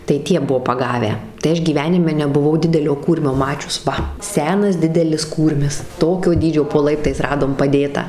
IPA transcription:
tɐɪ ˈtʲiɛ ˈbuɔ pɐˈɡɑːʋʲæː tɐɪ ˈɐʃ ɡʲiːˈʋʲæːnʲɪmʲɛ nʲɛbʊˈʋɐʊ dʲɪdʲɛˈlʲoː ˈkuːrʲmʲoː ˈmɑːt͡ʃʲʊs ˈʋɐ ˈsʲæːnɐs ˈdʲɪdʲɛlʲɪs ˈkuːrʲmʲɪs ˈtoːkʲoː ˈdʲiːd͡ʒʲoː poː ˈlˠɐɪptɐɪs ˈrɑːdoːm pɐˈdʲeːtɑː

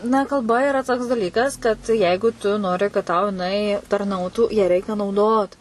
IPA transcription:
nɐ kɐlˠˈbɐ ɪˈrɐ toːks dɐˈlʲiːkɐs kɐt ˈjɛɪɡʊ tʊ ˈnoːrʲɪ kɐt tɐʊ jɪˈnɐɪ tɐrˈnɐʊtuː jæː ˈrʲɛɪkʲɛ nɐʊˈdoːt

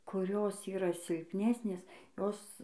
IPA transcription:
kʊˈrʲoːs ˈiːrɐ sʲɪlʲpʲˈnʲæːsʲnʲeːs ˈjoːs

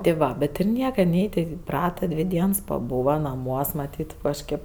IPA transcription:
tʲɪ ˈʋɐ bʲɛt ɪr ˈnʲiɛkɐ ˈnʲɛɪ tʲɛn ɪˈprɑːtɐ ˈdʲʋʲɪ ˈdʲiɛns pɐˈbuːʋɐ nɐˈmuɔs mɐˈtʲiːt kɐʃʲˈkʲeːp

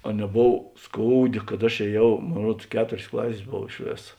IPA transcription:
ɐ nʲɛˈboːw ˈskoːʊˌdʲeː kɐt ɐʃ eːˈjɛʊ ˈmoːn ˈruɔts ˈkʲæːtoːrʲeːs ˈklˠɑːsʲeːs ˈboːw ɪʃ ˈʋʲeːsɐ

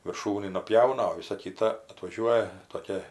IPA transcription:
ʋʲɪrˈʃuːnʲiː nʊˈpʲjɛʊnɐ oː ˈʋʲɪsɐ ˈkʲɪtɐ ɐtʋɐˈʒʲuɔjɛ toːˈkʲɛ

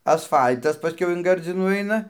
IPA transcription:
ɐsˈfɐlʲtɐs pɐˈsʲkʲɛʊ ɪn ˈɡɐrʲd͡zʲɪnuː ˈɐɪnɐ

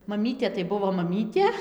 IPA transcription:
mɐˈmʲiːtʲeː tɐɪ ˈbʊʋoː mɐˈmʲiːtʲeː

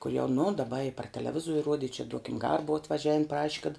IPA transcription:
koːlʲ jɛʊ nʊ dɐˈbɐ ɪ pɐr tʲɛlʲɛˈʋʲɪzuɔrʲɪ ˈruɔdʲɪ ɪ t͡ʃʲɛ ˈduɔkʲɪm ˈɡɑːrɐ ˈbʊʋɐ ɐtʋɐˈʒʲæːʋʲɪn ˈprɑːʃʲɪ kɐt

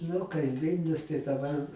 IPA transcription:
ˈnʊ kɐɪ ˈʋʲɪlʲnʲʊs tɐɪ dɐˈbɐr

